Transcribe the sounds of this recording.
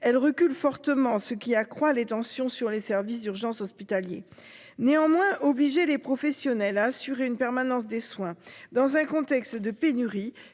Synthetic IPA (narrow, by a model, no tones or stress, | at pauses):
ɛlʁəkʲylfɔʁt̪əmɑ̃səkʲiakχwalet̪ɑ̃sjɔ̃syʁlesɛʁvis̬d̪yʁʒɑ̃sɔspit̪aljḛ | neɑ̃mwɛ̃ʔɔbliʒelepχɔfɛsjɔnɛlaːsyʁeynpɛʁmanɑ̃s̬d̪eswɛ̃d̪ɑ̃zɛ̃kɔ̃t̪ɛkst̪d̪əpenyʁi